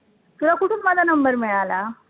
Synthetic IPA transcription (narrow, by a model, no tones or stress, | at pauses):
t̪ulakuʈʰuːnmad͡zʱanəmbəɾmeɭala